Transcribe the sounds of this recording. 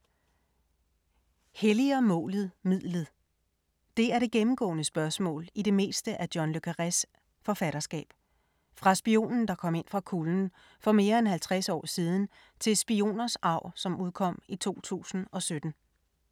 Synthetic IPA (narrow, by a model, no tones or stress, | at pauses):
heliɐmɔ̰̽ːlð̞̩ˠmið̰ˠlð̩ˠ | d̥e̝æɐɾ̥e̝ɡ̥emm̩ɡ̥ɔ̰̽ːnəsb̥ɶɐsmɔ̰ːliɾe̝me̝̰ːsd̥əʔæd̥jɒnløkʰæʁæs | fɒ̽fæɾ̥ɐsɡ̥ɛ̰ːb̥ | fʁɑ̈sb̥io̝̰ːnn̩d̥ɑ̈kʰɒ̽m̰e̝nfʁɑ̈kʰuln̩ | fɒ̽me̝ːɐenɦælt͡sʰʁasɒ̰ːsiːð̞ˠn̩ | t͡sʰe̝lsb̥io̝̰ːnɐsɑ̈ʊ̰sɒ̽mʔuð̞ˠkʰɒ̽m̰it͡sʰo̝̰ːt͡sʰṵːsn̩ɒ̽sød̥n̩